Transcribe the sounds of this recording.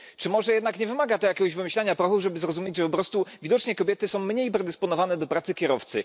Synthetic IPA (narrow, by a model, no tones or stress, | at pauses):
t͡ʂɘmɔʐɛjɛd̪nakɲɛvɘmaɡat̪ɔjakʲɛɡɔʑvɘmɘɕlɛɲapɾɔxuʐɛbɘzɾɔzumjed͡ʑʐɛpɔpɾɔst̪uvʲid̪ɔt͡ʂɲɛkɔbʲjɛt̪ɘsɔ̃w̃mːɲejpɾɛd̪ɛspɔnɔvanɛd̪ɔpɾat̪sɘkʲjɛɾɔft̪sɘ